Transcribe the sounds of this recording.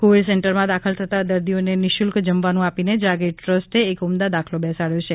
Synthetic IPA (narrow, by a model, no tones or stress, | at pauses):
koʋiɖsɛɳʈəɾmãd̪akʰəlt̪ʰət̪ad̪əɾd̪ionenɪʃulkd͡ʒəmʋanũapined͡ʒaɡeʈʈɾəsʈeːkumd̪ad̪akʰlobɛsaɭjot͡ʃʰe